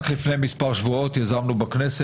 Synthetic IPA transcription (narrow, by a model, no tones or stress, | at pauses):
klifnejmispaʁʃvuot̪jazamnubaknese